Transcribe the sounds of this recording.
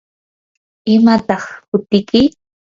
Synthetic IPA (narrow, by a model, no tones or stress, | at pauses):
ɪmat̪ɑχkʊt̪ɪkɪ